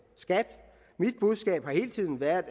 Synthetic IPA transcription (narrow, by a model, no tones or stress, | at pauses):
sɡ̥æd̥ | mid̥̚b̥uð̞ˠsɡ̥ɛ̰ːb̥hɑ̈he̝ːlt͡sʰið̰ˠn̩ʋæɐðˠ